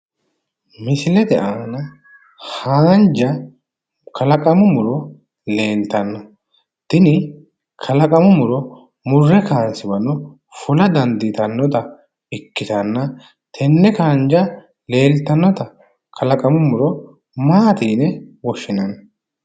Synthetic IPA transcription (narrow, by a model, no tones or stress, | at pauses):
mɪsɪlɛd̪ɛʔaːnɐ | haːnd͡ʒɐ | kʰɐlɐkʼɐmʊmʊɾɔ | le̞ːlt̪ɐnːɔ | t̪ɪnɪ | kʰɐlɐkʼɐmʊmʊɾɔ | mʊrːɛkaːnsɪbɐnːɔ | fʊlɐd̪ɐnd̪ɪt̪ɐnːɔt̪ɐ | ɪkːɪt̪ɐnːɐ | t̪ʰɛnːɛkaːnd͡ʒɐ | le̞ːlt̪ːɐnːɔt̪ɐ | kʰɐlɐkʼɐmʊmʊɾɔ | maːt̪iːnɛwɔʃːɪnɐn